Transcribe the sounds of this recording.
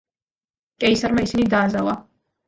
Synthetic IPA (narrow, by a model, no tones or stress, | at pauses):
kʼɛjsaɾmaisinid̪aːzawa